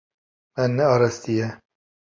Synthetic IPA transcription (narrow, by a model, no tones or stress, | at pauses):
mɛnːɛɑːɾɛst̪ijɛ